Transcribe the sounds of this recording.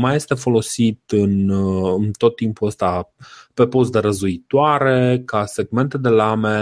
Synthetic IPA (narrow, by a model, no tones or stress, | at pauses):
maje̞st̪e̞fo̞lo̞sit̪ɨnɨnt̪o̞t̪ːimpuəst̪ape̞po̞s̬d̪e̞ɾəzuit̪oaɾe̞kase̞ɡme̞nt̪e̞d̪e̞lame̞